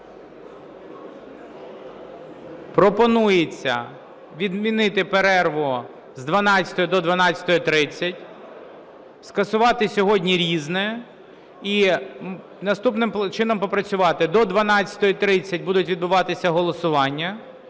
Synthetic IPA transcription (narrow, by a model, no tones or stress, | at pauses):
pɾɔpɔnujet͡sʲːɐ̰ | ʋʲid̪mʲinɪt̪ɪpeɾɛrʋɔ | zd̪ʋɐnɑt͡ssʲɐ̥t̪ɔjɔd̪ɔd̪ʋɐnɑt͡sʲɐ̥t̪ɔjɔt̪ɾɪt͡sʲːɐtʲ | skɐsʊʋɑt̪ɪsʲɔɦɔdʲnʲiɾʲiznɛ | i | nɐst̪upnɪmt͡ʃɪnɔmpɔpɾɐt͡sʲʊʋɑt̪ɪd̪ɔd̪ʋɐnɑt͡sʲɐ̥t̪ɔjɔt̪ɾɪt͡sʲːɐt̚ʲbud̪ʊtʲʋʲid̪bʊʋɑt̪ɪsʲɐɦɔlˠɔsʊʋɑnʲːɐ